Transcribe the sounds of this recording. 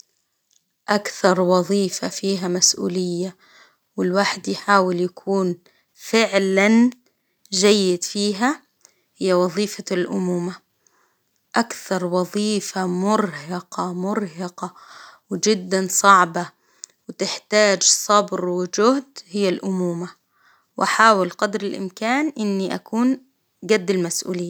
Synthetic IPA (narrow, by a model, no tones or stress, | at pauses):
ʔakθɑɾˤwɑðˤiːfa̰fiːɦamasʔṵːlɪjːa | wɪlwaːħɪd̪jħaːwɪljakʰuːn | fɪʕlan | ʒajːɪd̪fiːɦa | hɪjːawɑðˤiːfalʔʊmuːma | ʔakθɑɾˤwɑðˤiːfamʊɾɦɑqɑmʊɾɦɪqɑwɪd͡ʒɪd̪ːansˤɑʕba | wɪt̪ɪħt̪aːd͡ʒsˤɑbɾwɪd͡ʒʊhd̪hɪjːalʔʊmuːma | wʔaħaːwɪlqɑd̪ɾɪlʔɪ̰mkaːnʔɪnːiʔakuːn | ɡad̪ːɪlmasʔṵːlɪjːa